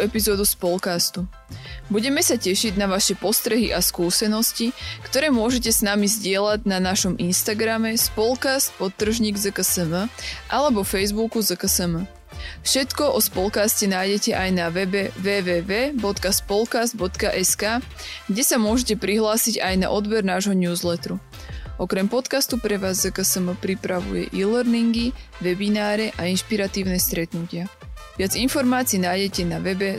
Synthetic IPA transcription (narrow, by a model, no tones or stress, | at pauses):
ɛpizɔːd̪uspɔlkast̪u | buɟɛmɛsacɛʃiɟnaʋaʃɛpɔst̪ɾɛɦiʔaskuːsɛnɔscikt̪ɔɾɛːmʊɔʒɛcɛsnamizɟɪɛlaɟ̚nanaʃɔminst̪aɡɾamɛspɔlkast̪̚pɔt̪ːr̩ʒɲiːɡzəkəsəməʔalɛbɔfɛjzbukuzəkəsəmə | fʃɛt̪kɔʔɔspɔlkaːscɛnaːjɟɛcɛʔajnaʋɛbɛʋɛːʋɛːʋɛːbɔt̪kaspɔlkazd̪̚bɔt̪kaʔɛskaː | ɡɟɛsamʊɔʒɛcɛpɾiɦlaːsiɟajna̰ʔɔd̪bɛɾnaːʒɦɔɲuːzlɛt̪ɾu | ɔkɾɛmpɔt̪kast̪upɾɛʋaːzːəkəsəməpɾipɾaʋṵjɛ̰ʔilɛɾniŋɡiʋɛbinaːɾɛʔainʃpiɾat̪iːʊnɛst̪ɾɛt̪nucɪa | ʋɪad͡zinfɔɾmaːt͡siːnaːjɟɛcɛnaʋɛbɛ